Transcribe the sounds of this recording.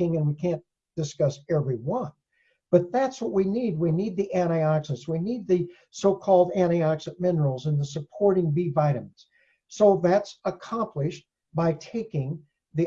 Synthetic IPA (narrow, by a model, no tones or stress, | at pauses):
ɪ̃ŋɨ̃nwikʰæ̃n | d̥ɨskʌsɛvɹiwʌ̃n | b̥ʌt̪̚ðætswʌt̚winid̚winid̪̚ðiʔæ̃ɾ̃ɑksɨswinid̪̚ðɨ | soʊkʰɔlˠdæ̃ñiɑksɨmɪ̃nə˞l̩ˠzə̃nðəsəpʰɔɹɾɪ̃ŋbivaɪɾɨ̃mz̥ | soʊðætsəkʰɑ̃mpʰlɪʃ̚ | b̥aɪtʰeɪkɪ̃ŋ | ði